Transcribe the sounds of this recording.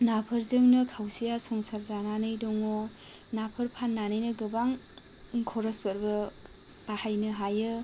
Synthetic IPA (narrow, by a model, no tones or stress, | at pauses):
napʰɐɾzɯŋnɯkʰawsijasɔŋsaɾzananɯjdoŋo | napʰɐɾpʰanːanɯjnɯɡɯbaŋ | kʰɔɾɐspɐɾbɐ | b̥ahajnɯɦajɯ